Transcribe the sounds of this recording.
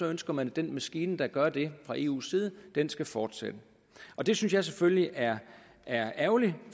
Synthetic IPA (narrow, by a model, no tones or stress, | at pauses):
sɒ̽ønsɡ̥ɐmænd̥enmæsɡ̥iːnəd̥ɑ̈ɡ̥ɶɐd̥e̝fʁɑ̈ʔe̝̰ːṵːsiːð̞ˠəd̥ensɡ̥æfɒːd̥sḛd̥ə | ʔɒ̽d̥e̝synsjɑ̈ɪs̬efølliʔæɐ | ʔæɐæʊli